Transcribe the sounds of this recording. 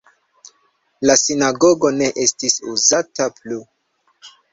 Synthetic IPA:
lasinaɡo̞ɡo̞ne̞ʔestisuzataplu

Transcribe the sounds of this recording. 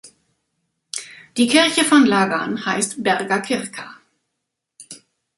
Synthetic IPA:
d̥iːkʰɪʁçəfɔnlaːɡanhaɪstb̥ɛʁɡɐkʰɪʁkʰa

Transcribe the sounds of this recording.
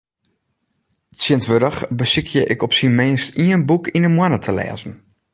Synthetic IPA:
siəntʋøɾəxbəsikʰjəʔɪkɔpsinmɪːstiənbukinənmwanətʰəlɛ̰ːzən̩

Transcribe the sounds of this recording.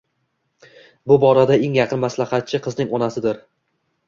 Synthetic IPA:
bʊbɒɾad̪aeŋjɑqʰɨnmaslaχɑt̪̚t͡ʃʰɪqʰɨznɪŋɒnasɪd̪ɪɾ

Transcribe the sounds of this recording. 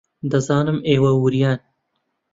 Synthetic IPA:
d̪ɐzɑːnɨmʔeːwɐwuɾijɑːn

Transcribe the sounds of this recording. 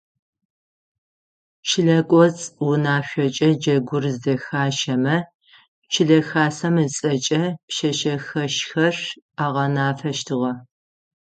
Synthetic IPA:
t͡ʃʰɪɮɐkʷʼɔt͡sʼwʊnaːɕʷɔt͡ʃʼɐd͡ʒɐɡʷʊrzdɐxaːʃɐmɐ | t͡ʃʰɪɮɐxaːsɐmɨt͡sʼɐt͡ʃʼɐpʃɐʃɐxɐʃxɐr | aːʁɐnaːfɐʃtʰɨʁɐ

